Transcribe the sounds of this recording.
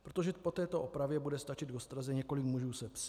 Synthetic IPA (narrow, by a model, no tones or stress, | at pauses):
pɾot̪oʒɛpo̞t̪ɛːt̪o̞ʔopɾavjɛbudɛst̪at͡ʃɪd̪ɡost̪ɾazɛɲɛko̞lɪkmuʒuːsɛp